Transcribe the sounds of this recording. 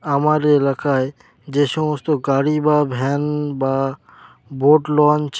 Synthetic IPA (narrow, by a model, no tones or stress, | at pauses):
amaɾeɪlaːkaɦɛ | d͡ʒeːʃõst̪oɡaːɽibabʱɛːnbaː | bʱoːʈlɔːnt͡ʃʰ